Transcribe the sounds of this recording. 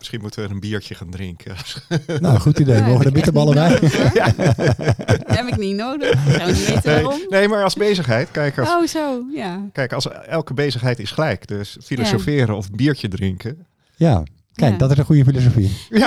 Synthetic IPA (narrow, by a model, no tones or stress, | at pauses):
mɪ̥sχinmutəʋəənbiːɹcəχaːndrɪŋkʰəsnowəχutidejmoːχəədəbɪtəbɑlˠəbɛj | ɛpɪkninowdə | nejnejmaːɹɑlˠzbejzəχɦɛjtkɛjɪkozojakɛjkɑsɛlˠkəbejzəχɦɛjtɪsχəlɛjkdøsfilosofɪːɾənɔfənbiːɹcədrɪŋkə | ja | kɛjk̚dɔtɪsənχujəfilos̬ofi